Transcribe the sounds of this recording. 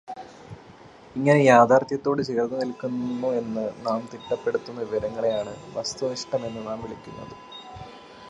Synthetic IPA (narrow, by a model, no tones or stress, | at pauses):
iŋːɐne̞jaːd̪ʱaːrt̪jɐt̪ːo̞ːɽɨt͡ɕeːrd̪ɐnilkːunːue̞nːɨnaːmt̪iʈːɐpːe̞ɽut̪ːunːɐʋiʋɐɾɐŋːɐɭejaːɳɨʋɐst̪uniʂʈɐme̞nːɨnaːmʋiɭikʲːunːɐ̰ðɨ